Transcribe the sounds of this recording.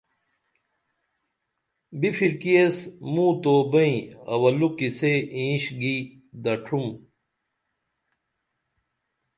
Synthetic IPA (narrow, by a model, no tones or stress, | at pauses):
bifʰiɾkiesmũːt̪oːbɐĩɐ̰wɐlukiseĩːɕɡi | d̪ɐʈʰum